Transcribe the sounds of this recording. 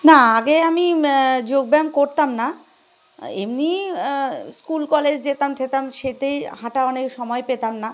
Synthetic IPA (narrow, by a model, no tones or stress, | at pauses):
naaɡeamid͡ʑoɡ̚bɛmkoɾt̪amna | ḛmni | skulkɔled͡ʑd͡ʑet̪amt̪ʰet̪amʃet̪ejhãʈaɔnekʃɔmɔepet̪amna